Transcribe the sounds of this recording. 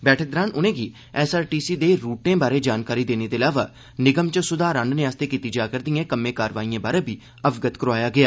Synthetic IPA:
bɛːʈʰək̚d̪ɾãːnʊnẽːɡiː | ɛːsaːɾʈiːsiːd̪eːɾuːʈẽːbaːɾeːd͡ʒaːnkaːɾiːd̪eːneːd̪eːəlaːʋaː | nɪɡəmt͡ʃəsʊd̪aːɾãɳɖnẽaːst̪eːkiːt̪iːd͡ʒaːkəɾd̪iẽːkəmːẽːkaːɾʋaːiãːbaːɾeːbʱiː | əbɡət̪kəɾoaːjaːɡɪjaː

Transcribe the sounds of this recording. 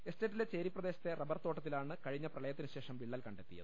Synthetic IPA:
esteːtːilet͡ɕeːɾipːrɐd̪e̞ːɕɐ̥t̪ːe̞rɐbɐrt̪oːʈːɐt̪ːilaːɳɨkɐɻiɲːɐprɐɭɐjɐt̪ːinɨɕe̞ːʂɐmʋiɭːaːlkɐɳɖe̞t̪ːḭjɐ̰ðɨ

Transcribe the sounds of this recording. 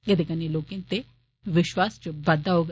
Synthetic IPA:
ed̪ekəneloːkɪ̃nt̪e | ʋɪʃwaːst͡ʃəbəd̪aɦoːɡ

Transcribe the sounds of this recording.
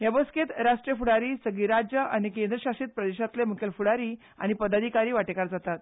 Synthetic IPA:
ɦjabəsket̪ɾaʂʈɾijəfuɽaɾiːsəɡiɾad͡ʑjəʔañikend̪ɾəɕaʂiːt̪̚pɾəd̪eɕat̪lem̤ukʰelfuɽaɾiː | a̰ñipəd̪ad̪ʱikaɾiːʋaʈekaɾd͡zat̪at̪̚

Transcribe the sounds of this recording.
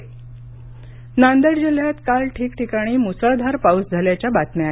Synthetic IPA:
nand̪əɽd͡ʑil̤jat̪kalʈʰiːkʈʰikaɽ̃iːmusəɭd̪ʱaɾpausd͡zʱaljat͡ɕjabat̪mjaa

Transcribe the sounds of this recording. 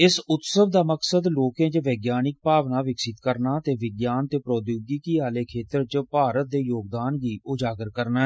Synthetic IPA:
ɪsʊt̪səʋd̪aːməksəd̪loːkẽːd͡ʒʋɛːɡjaːnɪk̚paːʋnaːʋɪksɪt̪kəɾnaːt̪eːʋɪɡjaːnt̪eːpɾɔːd̪joːɡikiːaːleːkʰeːt̪əɾt͡ʃpaːɾət̪̚d̪eːjoːɡd̪aːnɡiːʊd͡ʒaːɡəɾkəɾnaːɦɛ

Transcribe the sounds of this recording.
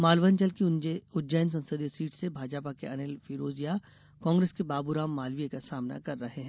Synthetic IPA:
maːlʋənt͡ʃɐlkiʊd͡ʒəjns̬ɐ̃nsəd̪esiːʈsebʱaːd͡ʒaːpakeʔɐnelfʰiːɾoːzija | kɔ̃ːŋɡɾeːskebaːbuɾaːmːaːlʋijekasaːmna̰kɐɾːɐɦeɦɛ̃ː

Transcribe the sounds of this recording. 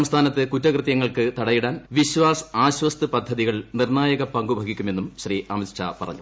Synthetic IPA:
ɐmst̪ʰaːnɐt̪ːɨkutːɐkrɨt̪jɐŋːɐɭkɨt̪ɐɽɐjiɽaːnʋiɕʋaːsaːɕʋɐst̪ɨpɐd̪ʱːɐðiɣɐɭnirnaːjɐɣɐpɐŋɡubʱɐɡʱikʲːume̞nːumɕɐriʔɐmiʂɐ̰pɐrɐ̰ɲːu

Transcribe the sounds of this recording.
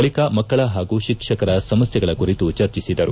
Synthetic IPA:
ɐɭikɐmɐkkːɐɭɐɦaːɡuːʃikʂɐkɐɾɐsɐmɐsjɐɡɐɭɐkuɾit̪ut͡ʃɐɾt͡ʃisid̪ɐɾu

